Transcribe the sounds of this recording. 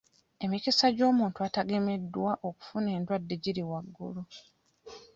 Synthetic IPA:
e̞mikisaɟo̞ːmuːntuataɡe̞me̞dːwaʔo̞ku̥fune̞ːndwadːe̞ɟiɾiwaɡːṵlo

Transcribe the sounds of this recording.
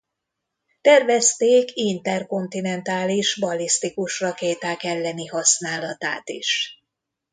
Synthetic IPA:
t̪ɛrvɛst̪eːkint̪ɛrko̞nt̪inɛnt̪aːliʃbɒlist̪ikuʃrɒkeːt̪aːkɛlːɛniɦɒsnaːlɒt̪a̰ːt̪ḭʃ

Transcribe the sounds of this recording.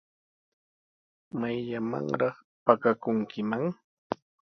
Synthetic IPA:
majʎama̰ŋɾɑχ | pakakʊŋkɪmaŋ

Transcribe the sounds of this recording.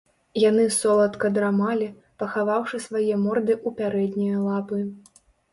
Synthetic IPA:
janɨsɔlˠɐt̪kɐd̪ɾamalʲi | pɐxavawʂɨsvajɛmɔrd̪ɨʔupʲaɾɛd̪ʲnʲijɐlˠapɨ

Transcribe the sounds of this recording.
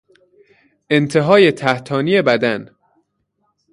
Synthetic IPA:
ʔe̞nt̪ʰe̞ɦɒːje̞t̪ʰæht̪ʰɒːnije̞bæd̪æn

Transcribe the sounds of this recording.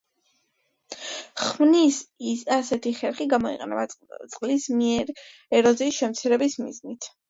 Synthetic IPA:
χmnisasɛt̪ʰiχɛɾχiɡamɔḭqʼɛ̰nɛ̰bat̪sʼqʼlismiɛɾ | ɛɾɔziːsʃɛmt̪sʰiɾɛbismḭznit̪ʰ

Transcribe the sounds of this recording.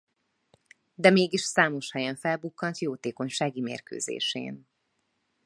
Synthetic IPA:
d̪ɛmeːɡiʃsaːmo̞ʃhɛjɛɱfɛlbukːɒnt̪joːt̪eːko̞ɲʃaːɡimḛːrkø̰ːzḛːʃḛːn

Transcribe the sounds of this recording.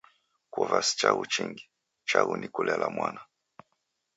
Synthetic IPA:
kwɔvasi̥t͡ʃaɣut͡ʃiŋɡi | t͡ʃaɣunʔikulɛlamwana

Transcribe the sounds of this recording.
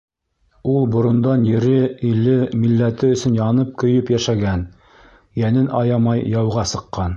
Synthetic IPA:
ulˠbŏɾŏnd̪ɑnjɘ̆ɾɘilːɘmilːæt̪ɘɵ̆sɵ̆njɑnɤp̚kɵ̆jɵpjæʃæɡæn | jænɘnʔɑjɑmɑjːɑwʁɑsɤ̆qːɑn

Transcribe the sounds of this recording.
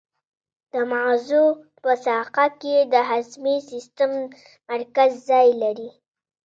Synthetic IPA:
d̪̥əmazu | pəsɑqaked̪əɦazmisist̪əmː | aɾkazːɑjlaɾi

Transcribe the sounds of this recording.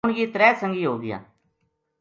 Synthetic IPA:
ʊɳɡiːt̪ɾɛːsə̃ŋɡiːɦoːɡɪja̰ː

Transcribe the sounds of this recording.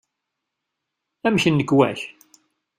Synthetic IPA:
æmçənːəɡwæ̰ç

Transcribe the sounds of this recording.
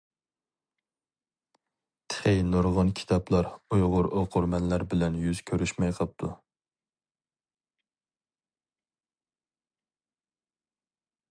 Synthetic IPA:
t̪ʰə̥χejnoɾʁɑnkʲʰi̥t̪ʰɑplˠɑɾujʁʊɾoqʰʊɾmɛnlæɾbɪlɛnjyz̥kʲʰøɾyʃmɛjqʰəp̚t̪ʰu

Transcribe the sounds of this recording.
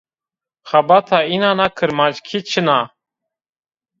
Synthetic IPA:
xabat̪ʰainaːnakʰəɾmaːd͡ʑkʰit͡ɕʰənaː

